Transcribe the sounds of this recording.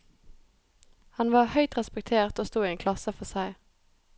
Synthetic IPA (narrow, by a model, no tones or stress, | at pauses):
hɑnʋɑːʁhœʏt̪ʁɛspɛk̚t̪ʰeːʁt̪oːst̪uːiːeːŋkʰlɑsəfɔʁsæɪ